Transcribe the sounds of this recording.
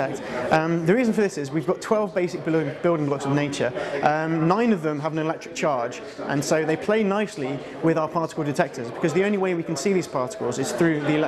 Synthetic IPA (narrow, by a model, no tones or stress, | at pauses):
ɛk̚tʌ̃mðəɹiːzə̃nfəðɪsɪzwivɡɒtʰw̥ɛlˠvbeɪsɪk̚b̥b̥ɪlˠdɪ̃ŋlɔksəvneɪt͡ʃəʔʌ̃nãɪ̃nəvðə̃məvə̃nɪlɛk̚tɹ̥ɪk̚t͡ʃʰɑːd͡ʒ | ʔə̰̃nsəʊðeɪpʰl̥eɪnaɪsli | wɪðaʊəpʰɑˑtɪ̥kl̩ˠdɪtʰɛk̚tʰəzbɪkʰɒzðiə̃ʊ̃nliweɪwikə̃nsiːðiːz̥pʰɑˑtɪ̥kəl̩ˠzɪz̥θɹʉːðiɪlɛ